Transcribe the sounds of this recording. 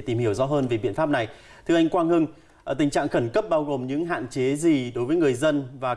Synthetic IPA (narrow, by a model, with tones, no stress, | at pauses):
t̪i˨˩mhi˧˩əwzɔ̰˧˥ɦəː˧nve˨˩ɓḭ˧˨nfaː˦˥p̚na˨˩j | t̪ʰɨ˧ʔa˧jŋ̟kwaː˧nhɨ˧ŋ˨˩ | t̪ï̟˨˩t͡ɕa̰ː˧˨ŋxə˧˩nkə˦˥p̚ɓaː˧wɣo˨˩mɲɨ̰˧˥ŋɦa̰ː˧˨nt͡ɕe˨˦zi˨˩ɗo˨˦jvəː˨˦jŋɨ˨˩əjzə˧nvaː˨˩